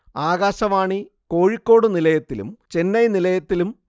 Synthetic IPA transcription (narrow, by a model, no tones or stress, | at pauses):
aːɣaːɕɐʋaːɳi | ko̞ːɻikʲːo̞ːɽɨnilɐjɐt̪ːilṵmt͡ɕenːɐjnilɐjɐt̪ːilum